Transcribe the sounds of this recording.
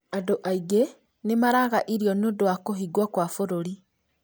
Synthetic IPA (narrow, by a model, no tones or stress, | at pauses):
adoʔaiɡe | nemaɾaɣaʔiɾiɔneondowakoɦiɡwakwafoɾoɾi